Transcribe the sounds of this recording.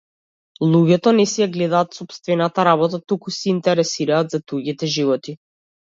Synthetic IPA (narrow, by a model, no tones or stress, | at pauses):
lˠuɟɛt̪ɔnɛsɛjaɡlɛd̪aːt̪sɔpst̪vɛnat̪aɾaβɔt̪at̪ukusɛint̪ɛɾɛsiɾaːd̪zad̪uɡit̪ɛʒivɔt̪i